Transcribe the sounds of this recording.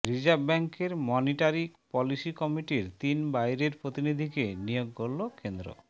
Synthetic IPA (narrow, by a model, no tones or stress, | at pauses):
ɾid͡ʑabbɛŋkeɾmɔniʈaɾipɔlisikɔmiʈiɾt̪inbajɾeɾpɾot̪inid̪ʱikenijoɡːolːokend̪ɾo̰